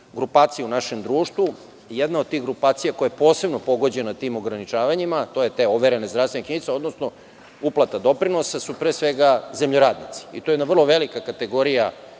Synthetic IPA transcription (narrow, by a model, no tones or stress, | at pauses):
ɡɾupaːt̪sijunaʃe̞md̪ɾuːʂt̪ʋu | jɛd̪naod̪̚t̪iɣɡɾupaːt̪sijako̞jajepo̞ːse̞bnopo̞ɡo̞d͡ʑe̞nat̪iːmo̞ɡɾanit͡ʃaːʋaɲimat̪o̞jet̪e̞oʋeɾenezd̪ɾast̪ʋenkɲinit̪seo̞d̪no̞sno | uplˠat̪ad̪o̞pɾinosasupɾesʋeɡazemʎoɾaːd̪nit̪si̥ḭt̪ojed̪naʋər̩lo̞ʋelikakat̪e̞ɡo̞ɾija